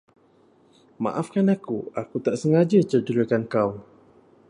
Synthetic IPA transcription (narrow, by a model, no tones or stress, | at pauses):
mã̰ʔafkanakuakut̪aʔsəŋad͡ʒat͡ʃərdəɾəkankaw